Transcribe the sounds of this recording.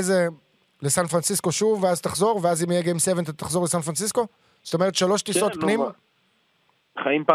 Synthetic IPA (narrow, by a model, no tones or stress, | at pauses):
eze | lesanfʁansisko̞ʃuveazt̪aχzo̞ʁveazimijeɡemsevent̪̬at̪aχzolesanfʁansisko̞ | zot̪omeet̪ʃaloʃt̪isot̪pnim | χaimpa